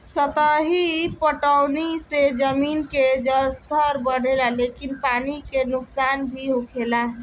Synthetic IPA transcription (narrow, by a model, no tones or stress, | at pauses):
sət̪əɦipəʈəwnised͡ʒəminked͡ʒəst̪ʰəɾbənelalekinpanikenuksanbʱiɦokʰela